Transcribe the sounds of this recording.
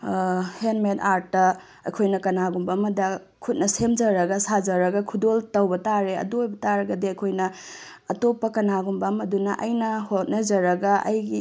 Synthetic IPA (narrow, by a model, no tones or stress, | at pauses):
henmetaɾtːɐ | ɐjkʰojnɐkɐnaɡumbamɐdɐ | kʰut̚nɐsemd͡ʒɐɾɐɡɐsad͡ʒɐɾɐɡɐkʰudoltɐwbɐtaɾeɐ̰duojbɐtaɾɐɡɐdiɐjkʰojnɐː | topːɐkɐnaɡumbamɐdunɐʔɐjnɐhot̚nɐzɐɾɐɡɐʔɐ̰jɡi